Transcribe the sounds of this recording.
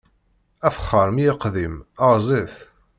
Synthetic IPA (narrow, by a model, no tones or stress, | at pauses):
æfə̥χːəɾmjɪqðimɑɾˤzˤeθ